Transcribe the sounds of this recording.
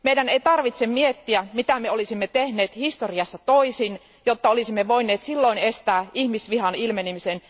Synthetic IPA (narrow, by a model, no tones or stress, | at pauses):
meidæneit̪ɑrʋit̪semmiet̪ːiæmit̪æmeolisimːet̪ehne̞ːt̪hist̪oriɑsːɑt̪o̞isin | jot̪ːɑolisimːeʋo̞inˑeːt̪silːoine̞st̪æːʔihmisʋiɦɑnilmenimisen